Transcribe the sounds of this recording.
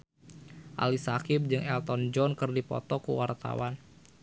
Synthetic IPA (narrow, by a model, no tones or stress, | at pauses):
ʔa̰lisakɪp̚d͡ʒɨŋɛlt̪ɔnd͡ʒɔnkɨrdipɔ̰t̪ɔkṵwart̪a̰wan